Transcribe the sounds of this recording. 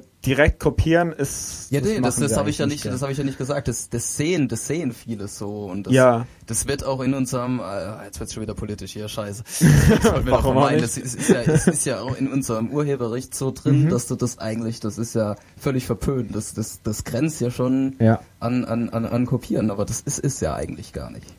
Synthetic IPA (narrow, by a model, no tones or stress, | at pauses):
d̥iʁɛk̚t̚kʰopʰiːʁənɪsjaːneːdasd̥ahaːbəɪçjaːnɪçtd̥ashaːbəɪçjaːnɪçtɡ̥əzaːk̚t̚d̥asd̥asz̥eːənd̥asz̥eːənfiːləz̥oːʊnt̚d̥ajsa | d̥asv̥ɪɐtaʊxɪnʊnzəʁəmʔɛːajɛt͡sv̥ɪɐtsʃoːnviːdɐpʰoliːtɪʃhiːɐʃaɪsəvɔltnmviɐʁmmandsɪsɪstjaːsɪstjaːa̰ʊxɪnʔʊnzəʁəmʔuːɐhɦeːbɐʁɛçtz̥oːdʁɪnd̥asd̥uːdasʔa̰ɪɡŋ̩tlɪçd̥asɪstjaː | fœlɪçfɛɐpʰøːntd̥asd̥asd̥asɡ̥ʁɛnt͡stjaːʃoːnʔanʔa̰nʔa̰nʔa̰nkʰopʰiːʁənʔaːbɐdasɪsɪstja̰ːʔa̰ɪɡŋ̩tlɪçɡ̥a̰ːɐnɪ̰çt